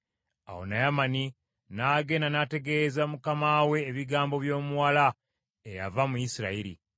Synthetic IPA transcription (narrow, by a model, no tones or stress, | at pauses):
a̰wo̞̰najamani | naɡe̞nanate̞ɡe̞zamukamawe̞ːβiɡaːmbo̞βjo̞ːmuwala | eja̰vamujisiɾa̰iɾḭ